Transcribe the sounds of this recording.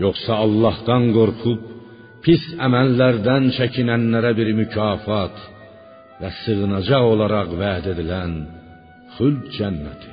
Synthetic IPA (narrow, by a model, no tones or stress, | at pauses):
jo̞χsɑɑlˠːɑhd̪ɑnɡo̞ɾχup̚ | pʰisæmælːæɾd̪ænt͡ʃʰæcʰinænːæɾæbiɾmycʰɑːfɑt̪ | væsɯɣɯnɑd͡ʒɑʁo̞lˠɑɾɑʁvæːd̪e̞d̪ilæn | χylbd͡ʒænːæt̪ʰi̥